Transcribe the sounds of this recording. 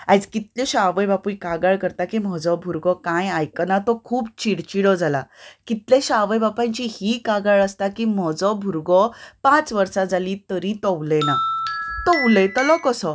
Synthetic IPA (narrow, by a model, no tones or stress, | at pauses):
ajd͡zkit̪leɕaʋəjbapuikaɡaɭkəɾt̪akim̤ɔd͡zɔbʱuɾɡɔkãjajkənat̪ɔkʰuːbt͡ɕiɽt͡ɕiɽɔd͡zʱalakit̪leɕaʋəjbapãɲt͡ɕihiːkaɡaɭəst̪akiːm̤ɔd͡zɔbʱuɾɡɔpãt͡sʋəɾsad͡zaliːt̪əɾit̪ɔʋlenat̪ɔʋlet̪əlɔkəsɔ